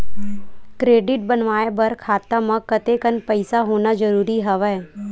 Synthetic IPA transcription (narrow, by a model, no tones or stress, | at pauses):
kɾeːɖɪʈ̚bənʋaːebəɾkʰaːt̪amɐ̃kət̪ekənpəɪsaɦoːnad͡ʒəɾuːɾiɦəʋɛː